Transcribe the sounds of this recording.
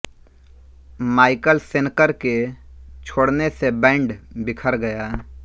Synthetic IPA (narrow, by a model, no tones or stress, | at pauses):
maːɪkəlsɪnkəɾket͡ʃʰoːɽnesebɛ̃ːɳɖbɪkʰəɾɡəjaː